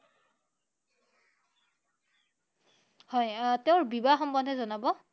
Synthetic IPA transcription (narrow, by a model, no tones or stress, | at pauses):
hɔjteʊɹbibaxɔmbɔndʱɛzɔnabɔ